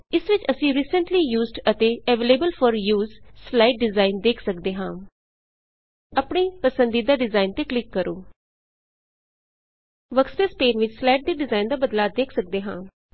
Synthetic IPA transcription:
ɪsʋɪt͡ʃəsĩːɾiːsəɳʈliːjuːzɖət̪eːɛːʋeːleːbəlfʰɔːɾjuːzslaːɪʈ̚ɖɪzaːɪnd̪eːkʰsəkd̪eːɦãː | əpɳiːpəsə̃nd̪iːd̪aːɖɪzaːint̪eːklɪkːəɾoː | ʋəkspeːspeːnʋɪt͡ʃslaːɪʈ̚d̪iːɖɪzaːind̪aːbəd̪laːd̪eːkʰsək̚d̪eːɦãː

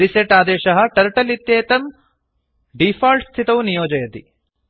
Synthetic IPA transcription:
ɾiseʈaːd̪ɛːʃɐɦɐ̆ʈɐɾʈɐlit̪jeːt̪ɐm | ɖiːfaːlʈst̪ʰit̪ɐʋunijoːd͡ʒɐjɐt̪i

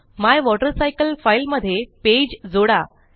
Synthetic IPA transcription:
majʋɔʈəɾsajkəlfailməd̪ʱːjeped͡ʑd͡zoɽa

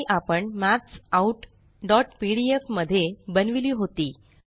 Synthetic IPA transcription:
ʔapəɳmætsauʈ | ɖɔʈpiɽiefməd̪ʱːjebənʋiliːɦot̪iː

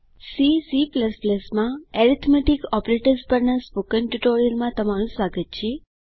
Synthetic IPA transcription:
sisipləspləsmãɛɾit̪ʰmɛʈikɔpɾeʈəɾspəɾnaspokənʈuʈoɾijəlmãt̪əmaɾ̃ũsʋaɡət̪̚t͡ʃʰe

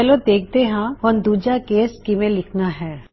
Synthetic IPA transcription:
ɛlod̪eːk̚ʰd̪eɦãɦɔnd̪uːd͡ʒakeːskimẽlɪkʰnaɦɛː

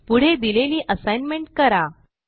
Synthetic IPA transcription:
puɽ̤ed̪ileliːʔəsajnmeɳʈ̚kəɾa

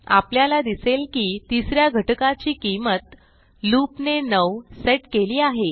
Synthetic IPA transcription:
a̰pljalad̪iselkiːt̪isɾjaɡʱəʈkat͡ɕiːkimət̪ | lupnenəwseʈkeliːaɦe

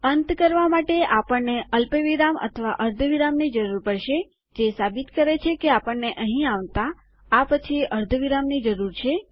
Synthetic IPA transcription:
ənt̪kəɾʋamaʈeapəɳneəlpeʋiɾamə̰t̪ʰəʋaʔəɾd̪ʱʋiɾamnid͡ʒəɾuɾpəɾʃe | d͡ʒesabit̪kəɾet͡ʃʰekeapəɳːeʔəɦĩaʋt̪a | apət͡ʃʰieʔəɾd̪ʱʋiɾamnid͡ʒəɾuɾt͡ʃʰe

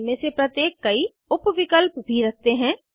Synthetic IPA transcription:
mẽsepɾɐt̪jeːkːɐi | ʊpʋɪkəlpbʱiɾɐk̚ʰt̪eɦɛ̃ː

